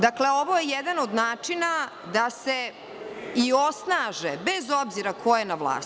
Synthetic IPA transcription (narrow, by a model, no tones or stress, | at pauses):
d̪akle̞o̞ʋo̞jejɛd̪anod̪naːt͡ʂina | d̪ase | io̞snaːʒebezo̞bziɾakʰo̞jenaʋlˠa̰ː